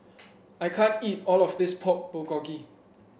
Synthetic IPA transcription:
ajkʰãntitɔlɔfdɪspʰɔt̚b̥əɡɔɡi

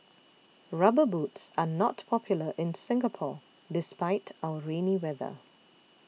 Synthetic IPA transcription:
ɹʌbəbuːtsanɔtpʰɔpʰjʊləʔɪ̃nsɪ̃ŋɡəpʰɔ | dɪspaɪtʰaəɹẽniwɛðə̰

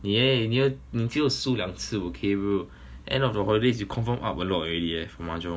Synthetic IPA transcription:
neninĩtʰiəsulãŋsɨokʰeɹo | ʔɛ̰̃nɔfdəɦɔlides̬jukʰɔ̃nfə̃mʔa̰pəlɔtɔɹɛdiɛfɔmad͡ʒɔ̃

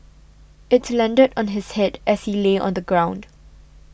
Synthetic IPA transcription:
ʔɪtslɛ̃ndədɔ̃nɦɪshɛdʔɛshileʔɔ̰̃nd̪əɡɹãʊ̃nd

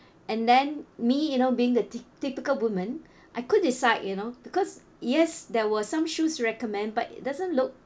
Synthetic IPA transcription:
ʔɛ̃ndɛ̃nmijunobiɪ̃ŋətipɪkəlwumə̃n | ʔaɪkʊd̚disaɪd̚junobikɔs | jɛsdɛwəsãmʃusɹɛkɔmɛ̃nd̚batḭʔ̚dazə̃nlʊk̚

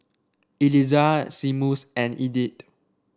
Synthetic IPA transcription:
ilizasimusɛ̃nidit

